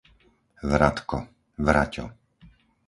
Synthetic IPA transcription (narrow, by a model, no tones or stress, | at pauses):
ʋɾat̪kɔ | ʋɾacɔ̰